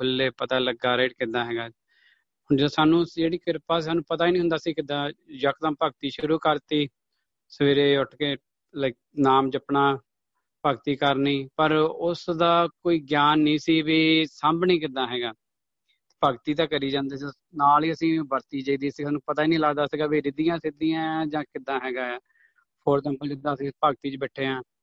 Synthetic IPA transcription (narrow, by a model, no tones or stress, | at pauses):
kʰʊlːeːpət̪aːləɡaːɾeːʈkɪd̪aːɦɛːɡaː | ʊnːsaːnũːd͡ʒeːɽiːkɪɾpaːsiːsaːnũːpət̪aːiːnĩːɦʊ̃nd̪aːsiːkɪd̪aːd͡ʒəkd̪ãːpəɡt̪iːʃɾuːkəɾt̪iː | səʋeːɾeːʊʈkeː | l | naːmd͡ʒəpnaː | pəɡt̪iːkəɾniːpəɾʊsd̪aːkoːiːɡjaːnːĩːsiːʋiːsəmbnĩːkɪd̪ãːɦɛːɡaː | t̪ːpəɡt̪iːt̪aːkəɾiːd͡ʒãːnd̪eːsi | naːliəsĩːbəɾt̪iːd͡ʒəiːd̪iːsĩːnũːpət̪aːiːnĩːləɡd̪aːsɪɡaːbeːɾɪd̪ijãːsɪd̪ijãːd͡ʒãːkɪd̪ːãːɦɛːɡaː | pʰoːɾt̪ɛ̃ːmpəd͡ʒɪd̪ãːəsĩːpəɡt̪iːt͡ʃbɛːʈʰːeːãː